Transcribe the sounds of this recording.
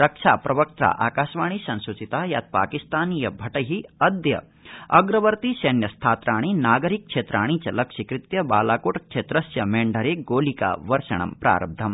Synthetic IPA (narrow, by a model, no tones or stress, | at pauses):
ɾɐkʂaːpɾɐʋɐk̚t̪ɾa̰ːʔaːkaːʃʋaːɳ̃isɐnsut͡ʃit̪aːja̰ːt̪̚pa̰ːkist̪aːnijɐbʱɐʈɐɦiɐd̪jɐ̰ | ɐɡɾɐʋɐɾt̪isɐnjɐst̪ʰaːt̪ɾaːɽ̃inaːɡɐɾik̚kʂeːt̪ɾaːɽ̃it͡ʃɐlɐkʂikɾit̪jɐba̰ːlaːkoːʈkt͡ʃʰeːt̪ɾɐsjɐmeːɳɖʱɐɾeːɡoːlika̰ːʋɐɾʃɐ̰ɳ̃ɐ̰mpɾa̰ːɾɐ̰b̚d̪ʱɐm